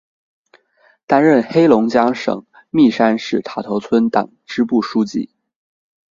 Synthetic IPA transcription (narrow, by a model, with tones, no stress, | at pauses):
t̪a˥nɻə˥˩nxe˥ɪlʊ˧˥ŋt͡ɕjɑ˥ŋʂɤ̰˨˩˦ŋ | mi˥˩ʂa˥nʂɻ̩˥˩t̪ʰa˨˩t̪ʰɤ˧˥t͡sʰwə˥nt̪ɑ̰˨˩ŋʈ͡ʂɻ̩˥pu˥˩ʂu˥t͡ɕḭ˥˩